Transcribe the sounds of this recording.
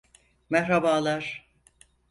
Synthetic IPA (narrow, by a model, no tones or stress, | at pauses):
mɛhɾabaːlˠaɾ̥